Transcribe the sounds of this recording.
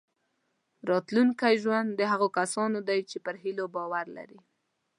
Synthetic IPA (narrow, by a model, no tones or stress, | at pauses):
ɾɑt̪luŋkajʒwand̪ːəɦaɣokasɑnod̪ajt͡ʃepəɾɦilobɑwaɾla̰ɾi